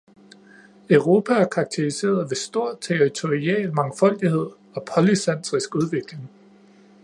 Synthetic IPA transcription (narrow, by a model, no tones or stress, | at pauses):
œʊʁo̝ːpʰææɐkʰɑ̈ɡ̥̚t͡sʰiʁise̝̰ːɐð̞ˠʋe̝sd̥o̝ɐ̰t͡sʰeʁit͡sʰo̝ʁiɛ̰ːlmɑ̈ŋfɒ̽l̰d̥ihe̝ð̞̰ˠ | ɒ̽pʰɒlisen̰sʁisɡ̥uð̞ˠʋe̝ɡ̥le̝ŋ